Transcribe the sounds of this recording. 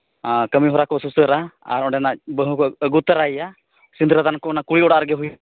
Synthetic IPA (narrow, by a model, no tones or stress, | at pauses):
kəmiɦɔɾakɔsusəɾaa̰ɾɔɖɛnabəɦũkɔəɡut̪əɾaja | sind̪ɾəd̪ankɔɔnakuɭiɔɽaɾɡɛɦuj